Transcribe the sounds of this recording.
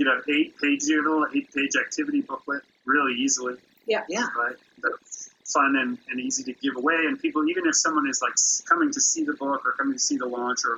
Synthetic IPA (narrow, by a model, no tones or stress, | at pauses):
jɨɾoʊeɪt̚pʰeɪd͡ʒzɨ˞veɪt̚pʰeɪd͡ʒæk̚tʰɪvɨɾibʊklɪt̚ | ɹɪlˠiizl̩ˠi | jææɹaɪt̚ðofʌ̃nɨ̃nɨ̃niziɾɨɡɪvəweɪɨ̃npʰipl̩ˠivɨ̃nɨfsʌ̃mwʌ̃ñɨzlaɪkskʰʌmɪ̃ŋtʰɨsiðəbʊkə˞kʰʌ̃mɪ̃ŋtʰɨsiðəlɑ̃nt͡ʃə˞